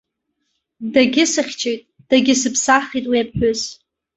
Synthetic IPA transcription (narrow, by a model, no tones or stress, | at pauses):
daɡʲɪsɨχʲt͡ʃʰejtʼ | d̥aɡʲɪsɨpʰsaχitʼwiapħʷᶣʊz